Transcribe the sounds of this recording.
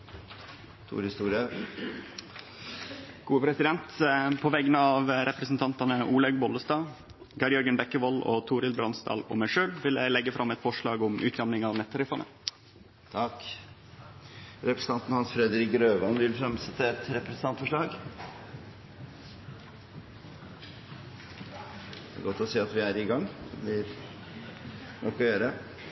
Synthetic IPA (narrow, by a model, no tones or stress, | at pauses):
t̪ʰṵːɾhɪst̪uːɾɪə | ɡ̥uːəpʰɾɛsɪd̪ɛnt̪pʰɔʋɛɡənəɑːʋɾɛpɾəsn̩t̪ʰɑnt̪ɑnəʔuːlɛɡbɔləst̪ɑː | ɡɑɾɪɔɾɡənbɛkːəʋɔlo̰t̪ʰuːɾɪlbɾɑnsd̪ɑ̰ːlɔ̰mæɪʂøːlʋɪlæɪlɛɡːəfɾɑmːɛt̪fɔʂɭɑːɡʊmʔʉ̰ːt̪̚d̪ɑmnɪŋɑʋnɛt̪ʰːəɾʉfɑnə̰ | t̪ʰɑk | ɾɛpɾəsn̩t̪ɑnt̪n̩hɑnsfɾɛd̪əɾɪkɡɾøːʋɑnʋɪlfɾɛmsɛt̪ːəɛt̪ɾɛpɾəsənɑnt̪fɔʂɭɑːɡ | æɾɡɔt̪ːɔsiːɑt̪ʋɪæɾɪɡɑŋd̪ɛblɪɾ | nɔkːɔjøːɾə